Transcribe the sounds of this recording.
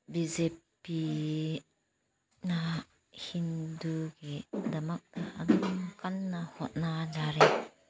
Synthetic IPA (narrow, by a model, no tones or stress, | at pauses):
bizepi | na | hinduɡid̪ɐmak̚d̪aʔadumkanːahɔt̚nad͡ʒaɾe